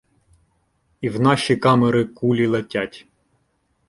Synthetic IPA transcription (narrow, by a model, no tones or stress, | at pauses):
iwnɑʃikɑmeɾɪkulʲilˠɐtʲatʲ